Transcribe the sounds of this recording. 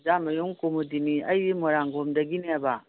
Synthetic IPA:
zamɐjuŋkomudiniɐjimoɾaŋɡomdɐɡineaba

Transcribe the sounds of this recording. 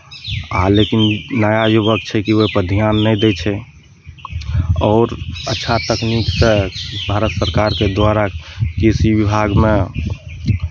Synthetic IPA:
alekinnəjajobəkt͡ʃʰɛkiopəd̪ʱijanːəjd̪ɛt͡ʃʰɛ | ɔːɾətːʃʰat̪əkniksəbʱaɾət̪səɾkaɾked̪waɾakisibibʱaɡmẽ

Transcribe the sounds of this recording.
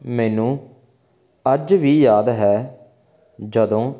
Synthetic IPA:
mɛːnũː | əd͡ʒʋiːjaːd̪ɦɛː | d͡ʒəd̪õː

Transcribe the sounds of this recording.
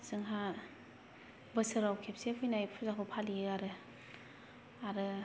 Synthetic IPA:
sɯŋɦa | bɯsɯɾawkʰep̚sepʰujnajpʰuzakʰɯwpʰaliɯaɾɯ | aɾɯ

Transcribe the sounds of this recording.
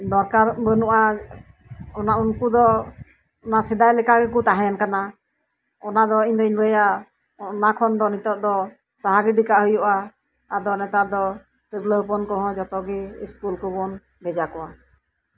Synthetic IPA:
d̪ɔɾkaɾbənuʔa | ɔnaunkud̪ɔ | ɔnasɛd̪ajlɛkaɡɛkut̪aɦajankana | ɔnad̪ɔiɲd̪ɔiɲɾɛja | nakʰɔnd̪ɔnit̪ɔp̚d̪ɔ | saɦaɡɾiɖikaʔɦujɔʔaː | d̪ɔnɛt̪aɾd̪ɔ | t̪əɾləpɔnkɔɦɔ̃d͡ʒɔt̪ɔɡɛiskulkɔbɔn | bɛd͡ʒakɔwa

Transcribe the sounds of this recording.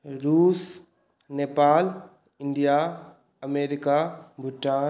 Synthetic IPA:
ɾuːs | neːpaːl | ɪ̃ɳɖija | ɐmeːɾikabʱʊʈːaː

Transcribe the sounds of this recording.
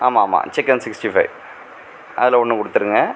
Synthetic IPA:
aːmaːma̰ːt͡ʃɪkːɐnsɪksʈifɐɪʋ | ʔɐ̰ðɪlɐɔɳːɯkɔɽɯt̪ːɯɾɯŋɡɐ

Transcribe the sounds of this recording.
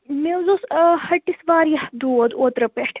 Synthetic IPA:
mewzoshɐʈːisʋaːɾjɐhd̪uɐd̪oːt̪ɾɐpeʈʰ

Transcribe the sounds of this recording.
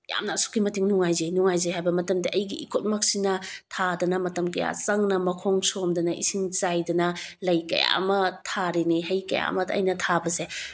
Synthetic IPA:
ja̰mnasu̥kːimɐtiŋnuŋajzenuŋajzeɦajbɐmɐtɐmdiʔɐjɡiʔikʰot̚mɐk̚sinɐtʰadɐnɐmɐtɐmkɐja̰sɐŋnɐmɐkʰoŋsomdɐnɐʔḭsiŋt͡ʃajdɐnɐlɐjkɐ̰ja̰mɐtʰaɾenihɐjkɐ̰ja̰mɐdɐ̰jnɐtʰabɐse

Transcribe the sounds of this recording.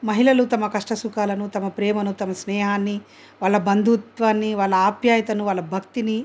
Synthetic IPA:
mɐɦilɐlut̪ɐmɐkɐʂʈɐsukaːlɐnut̪ɐmɐpɾɛːmɐnut̪ɐmɐsnɛːɦaːnːi | ʋaːɭːɐbɐnd̪ʱut̪ʋaːnːiʋaːɭːɐaːpjaːjɐt̪ɐnuʋaːɭːɐbʱɐkt̪ini

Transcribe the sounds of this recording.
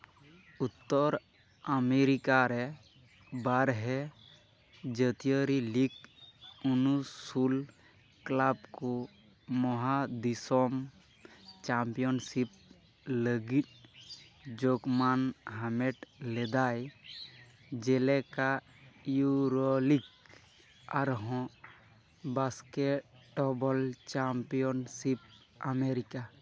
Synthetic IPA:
ut̪ːɔɾ | əmeɾikaɾɛ | baɾɦɛ | d͡ʒət̪ijəɾilik | unusul | klabko | mɔɦad̪isɔm | t͡ʃampijɔnsip̚ | ləɡit̚ˀ | d͡ʒokmanɦamɛʈlɛd̪aj | d͡ʒɛlɛka | juɾɔlik | aɾɦɔ̃ | baskɛʈ̚ɖɔbɔlt͡ʃampijɔnsip̚ | ameɾika

